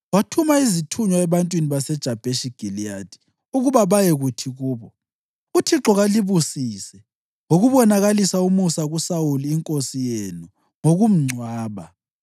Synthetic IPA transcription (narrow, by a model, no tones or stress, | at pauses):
watʰumaizitʰuɲwaɛβantʼwiniβasɛd̥ʒ̥ʱab̥ʱeʃiɡ̥ʱiliad̥ʰʱi̥ | uɣuβaβajeɣutʰiɣuːβɔ | utʰiǁɔɣaliβusisɛ | ŋoɣuβɔnaɣalisaumusaɣusawuliːŋkʼosijenu | ŋoɣum̩ŋ͡ǀʱwaːβa